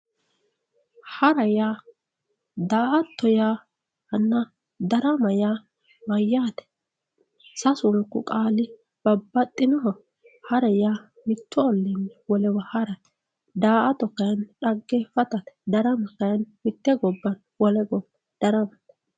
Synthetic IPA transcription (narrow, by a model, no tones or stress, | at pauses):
hɐɾɐjaː | d̪aːʔɐt̪ːɔjaː | hɐnːɐ | d̪ɐɾɐmɐjaː | mɐjːaːt̪ɛ̥ | sɐsʊŋkːʊ̰kʼaːlɪ | b̥ɐbːɐt̪ʼːɪnɔɦɔ | hɐɾɐjaː | mɪt̪ʰːɔɔlːɛnːɛwɔlɛwɐhɐɾɐt̪ | d̪aːʔɐt̪ːɔkːɐjɐnᶑɐɡːɛfɐt̪ɐt̪ɛ̥d̪ɐɾɐmɐkːɐjɐnmɪt̪ːɛɡɔbːɐn | wɔlɛɡɔb | d̪̥ɐɾɐmɐt̪